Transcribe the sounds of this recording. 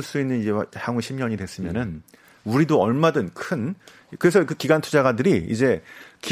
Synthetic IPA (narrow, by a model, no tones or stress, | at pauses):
ɭs͈uinːɯnid͡ʑeahaŋuɕʰimɲʌɲidwe̞s͈ɯmjʌnɯn | uɾidoʌɭmadɯnkʰɯn | kɯɾe̞s̬ʰʌkɯkiɡantʰud͡ʑaɡadɯɾiḭd͡ʑe̞ki